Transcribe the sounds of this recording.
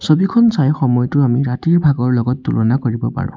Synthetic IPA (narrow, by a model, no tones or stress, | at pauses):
sobikʰɔnsajxɔmɔjɔtʊamiɹatiɹbʱaɡɔɹlɔɡɔtːulɔnakoɹibɔpa̰ɹʊ̰̃